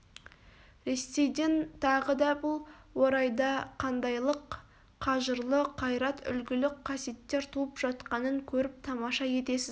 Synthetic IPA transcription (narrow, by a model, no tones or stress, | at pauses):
ɾe̞sːe̞jd̪ent̪ʰɑʁəd̪ɑbʊlˠwo̞ɾɑjd̪ɑqʰɑnd̪ɑjlˠəqːʰ | ɑʒəɾlˠəqʰɑjɾɑt̪ʏ̰lɡʲɪlɪk̚qʰɑsjet̪ːe̞ɾt̪ʰuəpʒɑt̪qɑnəŋkʲʰɵɾɪp̚t̪ʰɑmɑʃɑje̞t̪e̞sɪz